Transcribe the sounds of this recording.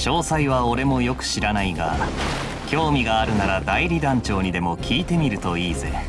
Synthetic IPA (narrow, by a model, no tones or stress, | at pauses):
ɕo̞ːsaiβao̞ɾe̞mo̞jo̞kɯ̟̥ɕiɾanaiɡa̰ | kʲo̞ːmʲiɡaːɾɯ̟naɾad̪aiɾʲid̪ãɲ̟t͡ɕo̞ːɲ̟id̪e̞mo̞kʲiːt̪e̞mʲiɾɯ̟t̪o̞iːze̞̰